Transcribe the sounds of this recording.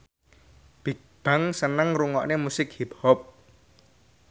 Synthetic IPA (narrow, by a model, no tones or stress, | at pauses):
b̥ik̚b̥a̤ŋsənəŋruŋɔʔnemusɪk̚hip̚hɔp̚